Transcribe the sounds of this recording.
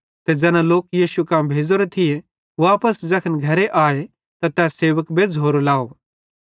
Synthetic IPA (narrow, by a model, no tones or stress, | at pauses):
t̪ed͡zɛːnãloːkjiːʃukãːmbʱeːd͡zoɾet̪ʰɪje | aːpəsd͡zɐkʰənɡʱɐɾeʔaːe | t̪at̪ɛːseːʋəkbed͡zɦoːɾolaːo